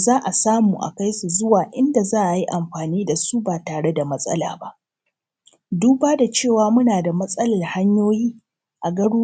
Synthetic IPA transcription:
zaː˦ʔa˨saː˦muː˨ʔa̰˨ka˦jsu˨zʊ˦waː˨ʔɪ˦nda˨zaː˦ʔa˨ji˦ʔa˨mɸaː˨niː˦da˨su˦baː˨taː˨ɽe˦da˨mɐ˦sʼɐ̰˦la̰ː˨ba˦ʔ | duː˦baː˦da˨t͡ʃeː˦˨waː˨mʊ˦naː˨da˨mɐ˦sʼɐ˦lɐ˨rha˦ɲjoː˦jiː˦ | ʔa˨ɡɐ˦ɽuː˦

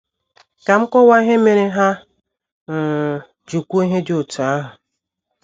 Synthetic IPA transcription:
ka˨m̩˦kʷɔ˦wa˦i˦ɦe˦me˨ɾe˦ɦa˦ | n̩˨ | d͡ʒu˨kʷu˦i˦ɦe˦d͡ʒo˨tu˨a˦ɦʊ˨

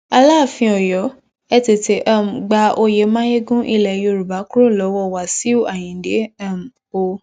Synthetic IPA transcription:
a˧la˦˨fĩ˧ɔ˨jɔ˨˦ | ɛ˧te˨te˨˦ʔa˦˨m̩˨ɡ͡ba˧o˧je˨˦mãː˦je˦ɡũ˦ʔi˧˨lɛ˨jo˧˨ɾu˨ba˨˦ku˦ɾo˦˨lɔ˨˦wɔ˦˨wa˨si˨˦o˦˨a˨j̃ĩ˨de˨˦a˦˨m˨ | o˧

